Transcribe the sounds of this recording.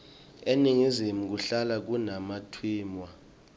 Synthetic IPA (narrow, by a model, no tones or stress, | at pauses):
eniŋizimuk̬uɬalak̬unamatʰwiːmwa